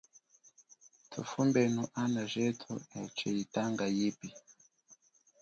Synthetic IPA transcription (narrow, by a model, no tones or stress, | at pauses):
tʰṵfumbɛnuʔanaʒɛtʰṵɛt͡ʃɛjitaŋɡajipi